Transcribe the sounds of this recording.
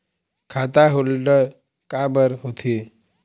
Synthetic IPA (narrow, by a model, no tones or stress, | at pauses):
kʰaːt̪aɦolɖəɾ | kabəɾɦot̪ʰi